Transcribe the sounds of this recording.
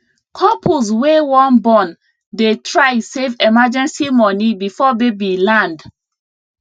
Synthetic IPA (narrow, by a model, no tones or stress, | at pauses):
kʰɔpʰuswewɔ̃nbɔ̃n | detʰɹajsevɛmad͡ʒɛ̃nsimɔnibifɔbebilãnd